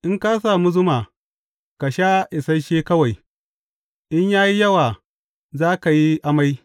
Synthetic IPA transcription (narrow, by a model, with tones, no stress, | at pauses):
ʔɪ˦ŋka˦s̬aː˨mu˦zʊ˦maː˨ | ka˨ʃa˦ʔɪ˨sɐ˦ʃeː˦kɐ˦wa˨j | ʔɪ˦ɲjaː˦ji˦jɐ˦waː˨ | zaː˦ka˨ji˦ʔa˦ma˦j